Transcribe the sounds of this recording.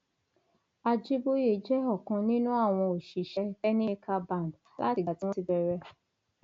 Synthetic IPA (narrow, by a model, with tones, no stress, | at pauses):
a˧d͡ʒi˦bo˦je˦˨d͡ʒɛ˦ɔ˦˨kɔ̃˨˧nĩ˦nũ˦a˦˨w̃ɔ̃˧o˨ʃi˨ʃɛ˧˦fɛ˦nĩ˦kʰa˧bã˦˨n˨d | la̰˦ti˧˨ɡa˨ti˦w̃ɔ̃˦i˧bɛ˧ɾɛ˧